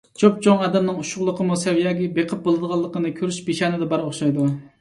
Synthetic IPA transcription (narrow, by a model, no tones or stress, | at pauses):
t͡ʃop̚t͡ʃʰoŋɑːd̪ɛmnɨŋuʃʊʁlˠəqʰəmusɛwjɑːɡʲibeqʰəp̚bolˠɨd̪əʁɑlˠːəqənɨkʲʰøɾyʃbeʃɑːnɨd̪ɛbɑɾoχʃɑjd̪u